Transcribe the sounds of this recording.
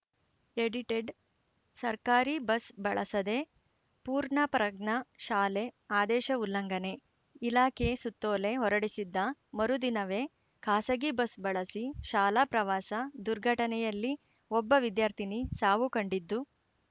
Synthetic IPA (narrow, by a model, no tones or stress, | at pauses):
eɽiʈeɖ | sɐɾkaːɾibɐsbɐɭɐsɐd̪e̞ | puːɾɳɐpɾɐɡɳɐʃaːleaːd̪ɛːʃɐulːɐŋɡɐne̞ | ilaːkʰesut̪ːoːle̞ɦɔɾɐɽisid̪ːɐmɐɾud̪inɐʋe̞ | kʰaːsɐɡibɐsbɐɭɐsiʃaːlapɾɐʋaːsɐd̪uɾɡʱɐʈɐnɛjɐlːi | ɔbːɐʋid̪jaːɾt̪ʰinisaːʋukɐɳɖid̪ːu